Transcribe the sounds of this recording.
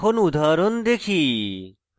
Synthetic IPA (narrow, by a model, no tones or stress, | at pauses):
onud̪ʱaɾond̪ekʰi